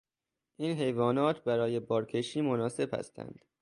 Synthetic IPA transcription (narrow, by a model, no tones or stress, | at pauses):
ʔiːnɦe̞jvɒːnɒːt̪ʰbæɾɒːje̞bɒːɾkʰe̞ʃiːmonɒːse̞b̥hæ̰st̪æ̰nd̪̥